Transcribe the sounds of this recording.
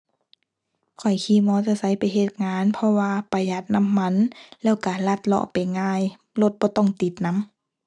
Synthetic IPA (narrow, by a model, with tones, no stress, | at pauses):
kʰɔ˨˩jkʰiː˧˩˨mɔː˧˦t͡ɕa˧˨sa˧˦jpa˨jɦe˧˩t̪̚ŋaː˧˥˨npʰɔ˧waː˧pa˧˩ja˧˩t̪̚na˧˥˨mːa˧˥˨nlɛː˧˩˨wka˧˩la˧˩t̪̚lɔ̰˧˨pa˨jŋaː˧˩˨j | lo˧˩t̪̚bɔː˧˦t̪ɔ˧˩˨ŋt̪i˨˦t̪̚na˧˥˨m